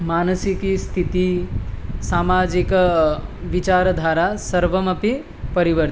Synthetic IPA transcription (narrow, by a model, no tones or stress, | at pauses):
maːnəsikist̪ʰit̪i | saːmaːd͡ʒik | ʋit͡ʃaːɾɐd̪ʱaːɾasɐɾʋɐmɐpi | pɐɾiʋəɾ